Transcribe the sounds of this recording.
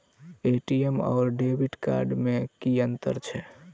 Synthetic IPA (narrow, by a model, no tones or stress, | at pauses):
eʈiemɔ̰ːɾɖebʱiʈka̰ɾɖmekiənt̪ə̰ɾt͡ʃʰɛ